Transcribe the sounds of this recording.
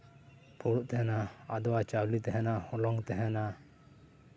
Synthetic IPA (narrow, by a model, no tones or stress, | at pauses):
pʰuɽuʔt̪ɛɦɛnaad̪ɔwat͡ʃawlit̪ɛɦɛnahɔlɔŋt̪ɛɦɛna